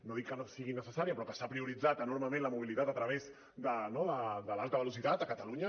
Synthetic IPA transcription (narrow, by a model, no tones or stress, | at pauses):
noðikːənosiɣinəsəsaɾiəpɾɔkəsapɾiuɾid͡zat̪ənoɾməmẽnləmuβ̞ilit̪at̪ət̪ɾəβ̞ez | d̪ənoðəd̪əlalˠt̪əβəlusit̪at̪əkət̪əluɲə